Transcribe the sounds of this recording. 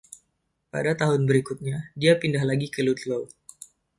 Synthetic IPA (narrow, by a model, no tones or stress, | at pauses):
pa̰dat̪aɦʊnbəɾikʊt̪̚ɲadiapindahlaɡikəlut̪low